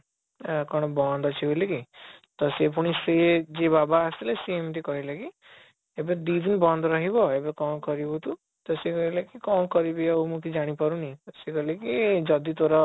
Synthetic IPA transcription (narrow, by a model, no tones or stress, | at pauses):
kɔɽ̃ɔbɔnd̪ɔt͡ʃʰiblekit̪ɔsepuɽ̃ised͡ʒebabaːsilesemt̪̬ikɔɦileki | ebed̪id̪ʱinibɔnd̪ɔɾɔɦibɔebekɔnkɔɾibɔt̪u | t̪ɔsekɔɦilekikɔnkɔɾibeaumukʰid͡ʒaɽ̃ipɔɾunit̪ɔsekɔɦilekid͡ʒɔd̪it̪oɾɔ